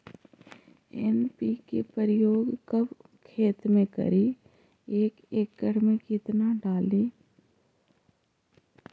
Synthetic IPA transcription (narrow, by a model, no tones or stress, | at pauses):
ḛnpikḛpəɾɪjoːɡkəb | kʰeːt̪mẽkə̰ɾi | eːkeːkːəɽmekɪt̪naɖaːliː